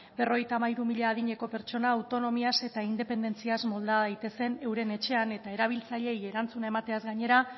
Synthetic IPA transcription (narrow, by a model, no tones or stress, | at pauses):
be̞ro̞ɣjt̪aːmaiɾumiʎaːðiɲe̞ko̞pe̞ɾt͡ʃo̞naːwt̪o̞no̞miase̞t̪aind̪e̞pe̞nd̪e̞nt͡siazmo̞ld̪aðajt̪e̞se̞ne̞wɾe̞ne̞t͡ʃe̞ane̞t̪ae̞ɾaβ̞ilt͡saʎe̞je̞ɾant͡sunae̞mat̪e̞azɡaɲe̞ɾa